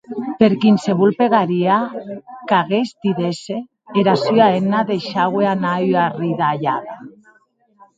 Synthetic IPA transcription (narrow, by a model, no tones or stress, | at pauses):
peɾkinseβulpeɣaɾiakaɣezd̪iðese | eɾasyaenaðeʃaɣweanayariðaːʎa̰ða